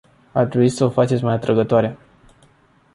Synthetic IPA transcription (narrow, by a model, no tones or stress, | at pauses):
at̪ɾebuisəofat͡ʃe̞t̪sʲmajat̪ɾəɡət̪oaɾe